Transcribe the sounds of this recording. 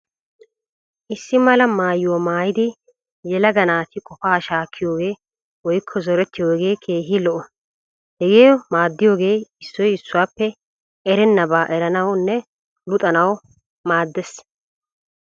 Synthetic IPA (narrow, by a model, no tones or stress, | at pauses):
ʔɪsːɪmɐlɐmaːjwɔmaːjɪd̪ɪ | jɛlɐɡɐnaːt̪ɪkʼɔfaːʃaːkʰːɪjo̞ːɡe̞ː | wɔjkʰːɔzɔɾɛt̪ːɪjoːhɡeːkʰe̞ːɦɪlɔʔɔ | hɛɡeːmaːd̪ːɪjo̞ːɡe̞ːɪsːɔjɪsːʊwaːpːɛ | ʔɛɾɛnːɐbaːʔɛɾɐnɐwnːɛ | lʊt̪ʼɐnɐw | maːd̪ːɛs